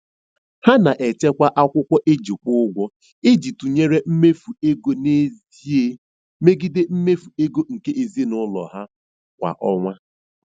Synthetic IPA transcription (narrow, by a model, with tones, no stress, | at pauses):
ha˦na˨ʔe˨t͡ʃe˦kʷa˦ʔa˦kʷʊ˦kʷɔ˦ʔe˦d͡ʒi˨kʷʊ˦ɡʷɔ˦ | e˦d͡ʒi˨tu˨ɲe˦ɾe˦m̩˦me˦fu˨e˦ɡo˦ne˦z | i˦e˦ | me˦ɡi˦de˦m̩˦me˦fu˨e˦ɡo˦ŋ̩˨ke˦ʔe˨zi˦e˦nʊ˦lɔ̰˨ɦa˦ | kʷa̰˨ʔɔ˦ŋʷa˦